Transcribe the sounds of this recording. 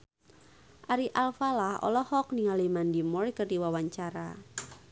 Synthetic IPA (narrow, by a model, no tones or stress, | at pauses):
ʔaɾiʔalfalahɔ̰lɔhɔk̚niŋalimandimɔrkərdiwawaɲt͡ʃaɾa